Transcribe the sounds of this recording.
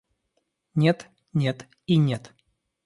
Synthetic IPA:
nʲet̪ | nʲet̪ | inʲet̪

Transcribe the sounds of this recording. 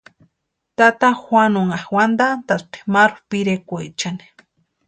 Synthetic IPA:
t̪at̪axʷanoŋahwand̪ant̪ast̪e̥maɾupiɾekʷejt͡ʃani̥

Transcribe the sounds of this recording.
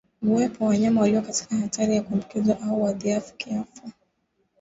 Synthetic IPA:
muɛpɔwaɲamawaliwɔkati̥kahatʰaɾijakumbukizwaʔauwaðiafu̥kiafa

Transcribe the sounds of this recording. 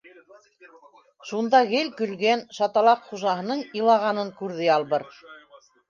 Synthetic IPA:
ʃund̪ɑɣɘlkɵ̆lɡænʃɑt̪ɑlˠɑqχuʒɑɦɤ̆nɤɴɤ̆lˠɑʁɑnɤŋkʉɾðɘjɑlˠβɤɾ

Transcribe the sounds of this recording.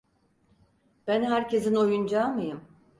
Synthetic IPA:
b̥ænɦæɾcʰe̞zino̞jund͡ʒamɯjɯm

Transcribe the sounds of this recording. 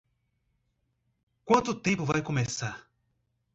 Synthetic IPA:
kwɐ̃nt̪ʊt̪ẽpʊvajkomesa

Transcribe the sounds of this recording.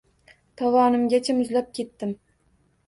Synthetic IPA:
t̪ʰɒvɒnɪmɡʲat͡ʃʰamʊzlap̚kʲʰe̞t̪ːɪm

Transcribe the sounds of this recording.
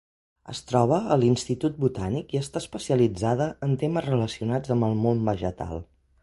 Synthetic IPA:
ə̰st̪ɾɔβ̞əəlinst̪it̪ut̪̚but̪anikiəst̪aəspəsiəlid͡zaðəənt̪eməzrələsiunad͡zəmbəlˠmonbəʒət̪a̰lˠ

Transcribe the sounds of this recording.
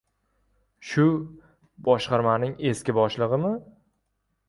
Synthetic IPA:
ʃʊ | bɒʃqɑɾmanɪŋe̞skʲɪbɒʃlˠɨʁɨmɪ

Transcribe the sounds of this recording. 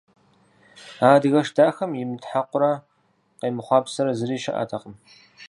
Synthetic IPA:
aːdɨɣɐʂdaːxɐmjɪmɨtħaqʷʊɾɐ | qeːmɨχʷɑːpsɐɾɐzɨriːʃɐ̰ʔa̰ːtʰɐqəm

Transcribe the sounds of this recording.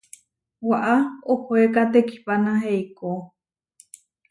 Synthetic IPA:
waʔaohoekat̪eki̥panãɦeiko

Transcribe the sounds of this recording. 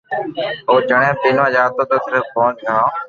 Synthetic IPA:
oːd͡ʒəɳ̃ẽːpiːnʋãːd͡ʒaːt̪oːt̪oːsəɾəfkoːnt͡ʃʰãː

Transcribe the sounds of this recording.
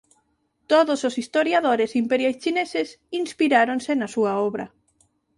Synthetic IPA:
t̪oðososist̪oɾjaðoɾesimpeɾjajst͡ʃineses | inspiɾaɾonsenɐsuɐɔβɾɐ̰

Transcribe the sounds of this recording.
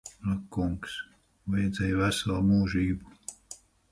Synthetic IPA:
akːuŋks | vajɛd̪zʲɛjvæsalˠmuːʒiːbu

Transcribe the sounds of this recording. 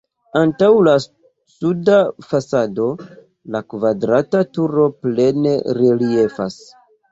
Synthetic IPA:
antawla | sudafasado̞ | lakvadɾatatuɾo̞ple̞ne̞ɾelie̞fas

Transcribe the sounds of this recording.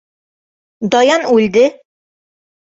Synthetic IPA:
d̪ɒjɑnʉld̪ɘ

